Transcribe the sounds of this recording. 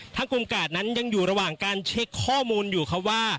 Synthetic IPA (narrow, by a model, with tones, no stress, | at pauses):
t̪ʰaː˥˩ku˧mkaː˨˩t̪̚na˦˥nja˧ŋjuː˨˩ɾa˧waː˨˩ŋkaː˧nt͡ɕʰe˦˥kʰːɔː˥˩muː˧njuː˨˩kʰa˦˥p̚waː˥˩